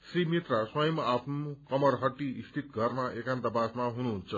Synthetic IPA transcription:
srimit̪raswʌjʌmapʰnukʌmʌrɦʌʈːiːst̪ʰit̪ɡʱʌrmaʔekant̪abasmaɦunuɦunt͡sʰʌ

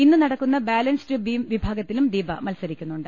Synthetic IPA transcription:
inːɨnɐɽɐkːunːɐbaːlɐnstɨbimʋibʱaːɡɐt̪ːilumd̪iːbɐmɐlsɐɾikʲːunːuɳɖɨ

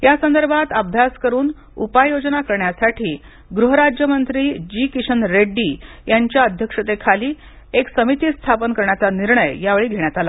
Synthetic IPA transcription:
jasənd̪əɾbʱat̪əb̚d̪ʱaskəɾuːn | ṵpajod͡znakəɾɳjasaʈʰiː | ɡɾuɦəɾad͡ʑjəmənt̪ɾiːd͡ʑikiɕənɾeɖːiːjaɲt͡ɕjaəd̪ʱjəkʂət̪ekʰaliː | eksəmit̪iːst̪ʰapənkəɾɳjat͡saniɾɳəjːjaʋeɭiːɡʱeɽ̃jat̪ala

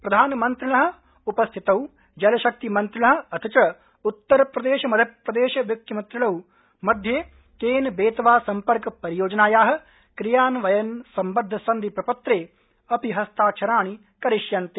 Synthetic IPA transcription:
pɾɐd̪ʱaːnɐmɐnt̪ɾilɐɦɐ̆ | upɐst̪ʰit̪ɐw | d͡ʒɐlɐʃɐk̚t̪imɐnt̪ɾɪlɐɦɐ̆ɐt̪ʰit͡ʃɐ | ut̪ːɐɾpɾɐd̪eːʃɐmɐd̪ʱjɐpɾɐd̪eːʃɐʋjukjɐmɐnt̪ɾilɐw | mɐd̪ʱje | keːnbeːt̪ɐʋaːsɐmpɐɾkɐpɐɾijoːd͡ʒɐnaːjaːɦɐ̆ | kɾijaːnʋɐjɐnsɐmbɐd̪ʱːɐsɐnd̪ʱipɾɐpɐt̪ɾeː | ɐpiɦɐst̪ʰaːt͡ʃʰɐɾaːɳi | kɐɾiʃjɐnt̪e

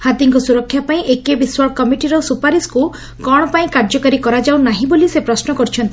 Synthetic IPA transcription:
hat̪iŋkɔsuɾɔkʰːjapaĩʔekebiswɔɭkɔmiʈiɾɔsupaɾisku | kɔɽ̃ɔpaĩkaɾd͡ʒɔkaɾikɔɾad͡ʒawnaɦĩbolisepɾɔsnɔkɔɾit͡ʃʰɔnt̪i

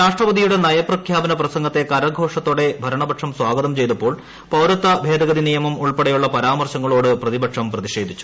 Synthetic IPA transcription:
ɾaːʂʈrɐʋɐd̪ijuɽe̞nɐjɐprɐkʰjaːbɐnɐprɐsɐŋɡɐt̪ːe̞kɐɾɐɡʱo̞ːʂɐt̪ːoːɽe̞bʱɐɾɐɳɐbɐʈʂɐmswaːɡɐðɐmt͡ɕe̞jt̪ɐpːo̞ːɭ | pɐwɾɐt̪ːɐbʱeːd̪ɐɣɐðinijɐmɐmuɭpeɽɐjuɭːɐpɐɾaːmɐrɕɐŋːɐɭo̞ːɽɨprɐðibɐʈʂɐmprɐðiɕe̞ːd̪ʱit͡ɕːu̥

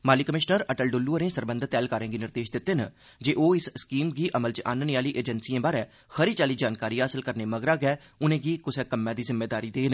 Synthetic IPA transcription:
maːliːkəmɪʃnəɾəʈəlɖʊlːuəɾẽːsəɾbə̃nd̪ʱt̪ɛːlkaːɾẽːɡiːnɪɾd̪eːʃd̪ɪt̪ːeːnə | d͡ʒeːʔoːɪsskiːmɡiːʔəməlt͡ʃʔa̰ːnənijaːliːʔeːd͡ʒənsiãːbaːɾɛː | xʰəɾiːt͡ʃaːliːd͡ʒaːnkaːɾiːɦaːsɪlkəɾneːməɡɾaːɡɛː | ʊnẽːɡiːkʊsɛkəmːɛ̃ːd̪iːzɪmːeːd̪aːɾiːd̪eːnː

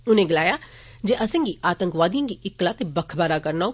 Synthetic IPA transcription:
ʊnẽːɡɪlaːjaː | d͡ʒeːʔəsɪ̃ŋɡiʔaːt̪ə̃ŋkʋaːd̪ijãːɡiɪkːlaːt̪ebəkʰbaːɾaːkəɾnao

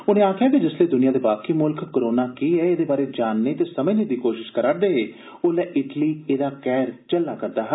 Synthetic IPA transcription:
ʊnẽːaːkʰjaːkid͡ʒɪsleːd̪ʊnijãːd̪eːbaːkiːmʊlkːoɾoːnaːkiːɛːeːd̪eːbaːɾeːd͡ʒaːnːeːt̪eːsəmə̃ːneːd̪iːkoːʃɪʃkəɾad̪eːɦeː | oːlɛːʔɪʈliːeːd̪aːkɛːɾt͡ʃəlːaːkəɾd̪aːɦə

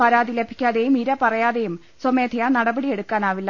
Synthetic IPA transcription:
pɐɾaːðile̞bʱikʲːaːðejumiɾɐpɐrɐjaːðe̞jum | someːd̪ʰʱijɐnɐɽɐbɐɽijeɽukːaːnaːʋilːɐ

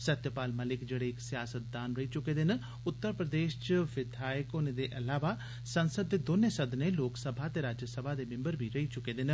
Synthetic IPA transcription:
sət̪jəpaːlməlɪkd͡ʒeːɽeɪksɪjaːsət̪̚d̪aːnɾəit͡ʃʊkeːd̪ɪn | ʊt̪ːəɾpɾəd̪eːʃt͡ʃʋɪd̪ʱaːjɪkoːned̪eːʔɐlaːʋa | sənsəd̪ːeːd̪oːnesəd̪nẽːloːksəbʱat̪eːɾaːd͡ʒjəsəbʱad̪eːmɪ̃mbəɾbʱiɾəit͡ʃʊkeːd̪ɪn

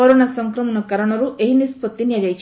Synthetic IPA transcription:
ɔɾonasɔŋkɾɔmɔnɔkɐɾɔɳ̃ɔɾuʔeɦinispɔt̪ːinijad͡ʒajt͡ʃʰ

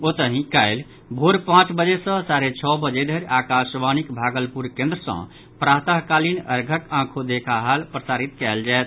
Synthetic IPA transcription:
ot̪əɦĩkaɪl | bʱoɾpãt͡ʃbəd͡ʒesə̃saɾet͡ʃʰɔbəd͡ʒeɖʱəɾakasʋanikbʱaɡəlpuɾkẽnd̪ɾəsə̰̃ | pɾaɦt̪aɦkalinəɾɡʱəkãkʰod̪ekʰaɦalpɾəsaɾit̪kaɪld͡ʒaet̪

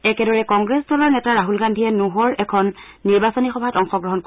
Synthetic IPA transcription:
ɛkɛdɔɹɛkɔŋɡɹɛsdɔlɔɹnɛtaɹaɦulɡandʱiɛnuɦɔɹɛkʰɔnː | iɹbasɔnixɔbʱatɔŋxɔɡɹɔɦɔnk

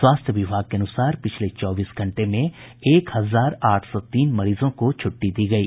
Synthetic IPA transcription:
swaːst̪ʰjəʋɪbʱaːɡ̚keɐnʊsaːɾpɪt͡ʃʰlet͡ʃɔːbiːsɡʱɐ̃ɳʈemẽeːkhɐzaːɾaːʈʰsɔt̪iːnmɐɾiːzõkot͡ʃʰʊʈːid̪iːɡɐiː

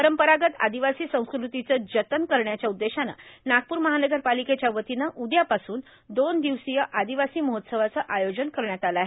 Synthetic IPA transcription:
pəɾəmpəɾaɡət̪a̰d̪iʋasiːsə̃w̃skɾut̪it͡səːd͡ʑət̪ənkəɾɳjat͡ɕjaud̪ːeɕana̰naɡ̚puːɾməɦanəɡəɾpaliket͡ɕjaʋət̪inəʔud̪japasuːn | d̪ond̪iʋsijəʔad̪iʋasiːməɦot̪səʋat͡səʔajod͡ʑənkəɾɳjat̪alaɦe

